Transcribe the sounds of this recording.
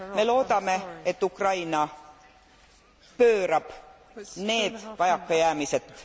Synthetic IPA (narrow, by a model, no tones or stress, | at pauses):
me̞lo̞ːd̪̥ɑme̞et̪ːukrɑjnɑ | pø̞ːɾɑb̥ | ne̞ːd̪̥vɑjɑkːɑjæːmise̞t̪ːˑ